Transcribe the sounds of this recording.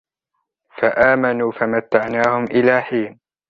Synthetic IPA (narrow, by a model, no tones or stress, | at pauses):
faʔaːmanuːfamat̪ːaʕnaːhʊmʔɪlaːħiːn